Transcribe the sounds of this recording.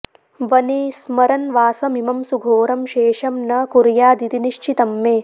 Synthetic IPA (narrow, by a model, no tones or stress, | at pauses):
ʋɐnismɐɾɐnʋaːsɐmimɐmsuɡʱoːɾɐmʃeːʃɐmnɐkuɾjaːd̪it̪iniʃt͡ʃʰit̪ɐmːeː